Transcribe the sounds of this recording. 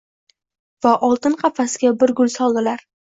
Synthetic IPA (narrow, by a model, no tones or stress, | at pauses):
vaʔɒlˠt̪ɪnqʰɑfasɪɡʲabɪɾɡʊlsɒlˠd̪ɪlaɾ